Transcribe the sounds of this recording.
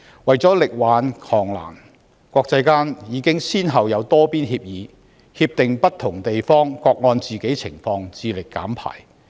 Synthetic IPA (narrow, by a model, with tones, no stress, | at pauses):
wɐ˨jt͡sɔː˨˥lɪ˨k̚waː˨˥nkʰɔː˨˩ŋla̰ː˨˩n | kʷɔː˧k̚t͡sɐ˧jkaː˥njiː˨˧kɪ˥ŋsiː˥nɦɐ˨wjɐ˨˧wt̪ɔː˥piː˥nɦiː˧p̚jiː˨˧ | hiː˧p̚t̪ɪ˨ŋpɐ˥tt̪ʰʊ˨˩ŋt̪e˨jfɔː˥ŋkɔː˧k̚ŋɔː˧nt͡siː˨ke˨˥jt͡sʰɪ˨˩ŋfɔː˧ŋt͡siː˨˧lɪ˨kːa̰ː˨˥mpʰa̰ː˨˩j